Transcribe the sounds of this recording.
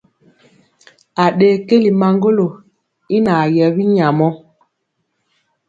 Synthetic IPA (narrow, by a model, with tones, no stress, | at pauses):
a˨ɗeː˨˦ke˦li˨ma˨ŋɡo˦lo˨ | i˦na˨jɛ˨bi˦ɲa˨mɔ˦